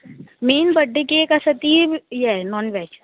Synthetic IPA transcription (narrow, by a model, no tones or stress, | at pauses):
meːnbɐɖːekekɐsɐt̪iːbjɛnɔːnʋɛːt͡ʃ